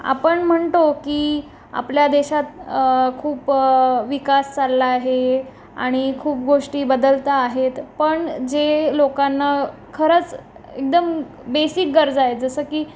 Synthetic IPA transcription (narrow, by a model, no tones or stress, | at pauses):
a̰pəɳm̤əɳt̪okiː | a̰pljad̪eɕat̪kʰuːpʋikast͡salːaːɦe | a̰ɽ̃ikʰuːp̚ɡoʂʈiːbəd̪əlt̪aːɦet̪pəɳd͡ʑelokanːa | kʰəɾət͡s | ek̚d̪əm | besik̚ɡəɾd͡zaɦet̪d͡zəsəːkiː